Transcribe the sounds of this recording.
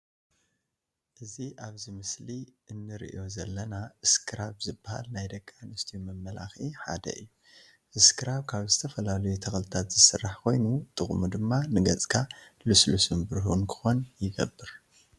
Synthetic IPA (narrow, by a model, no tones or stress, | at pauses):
ʔɨziʔaβzimɨsliʔɨnːɨɾḭʔjo̞zɐlːɐnaʔɨskʰɨɾaβzɨbːaha̰lnajd̪ɐkʼːanɐst̪ʰijmɐmːɐla̰xiħa̰d̪ɐ̰ʔɨ̰jːu | ʔɨskʰɨɾaβkʰaβzɨt̪ʰɐfɐlalɐjut̪ʰɐxlɨt̪ʰat̪z̥ɨsɨrːaħkʰo̞jnut̪ʼɨχʼmud̪ɨmːanɨɡɐt͡sʼkʰalɨslusɨmbɨɾɦunkʰɨ̥xo̞njɪɡɐ̰bːɨɾ